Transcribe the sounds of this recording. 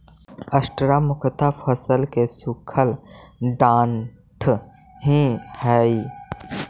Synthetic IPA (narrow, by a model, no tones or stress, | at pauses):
əsʈɾamʊkʰət̪apʰəsəlkesukʰəlɖãːɳ | ʈʰ | ɦĩhɛːi